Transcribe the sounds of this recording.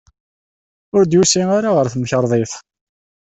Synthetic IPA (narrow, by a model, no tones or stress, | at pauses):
ʊɾd̪jusiŋaɾaʁəɾθəmçəɾˤðˤeθ